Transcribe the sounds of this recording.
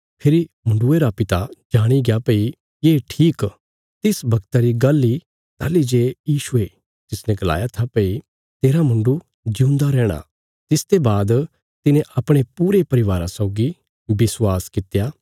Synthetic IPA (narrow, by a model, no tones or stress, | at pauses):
pʰɪɾimʊ̃ɳɖueɾapɪt̪ad͡ʒaːɽ̃iɡjapɐi | jeːʈʰiːk | t̪ɪsbɐɡt̪aɾiɡɐlːi | t̪a̰ːlid͡ʒejiːʃʊe | t̪ɪsnɛ̃ɡɐla̰ːjat̪ʰapɐi | t̪eːɾamʊ̃ɳɖu | d͡ʒiũnd̪aɾɛːɽ̃a̰ | t̪ɪst̪ebaːd̪ | t̪ɪnẽʔɐpɽ̃epuːɾepɐɾɪʋaːɾasɔːɡi | bɪswaːskɪt̪jaː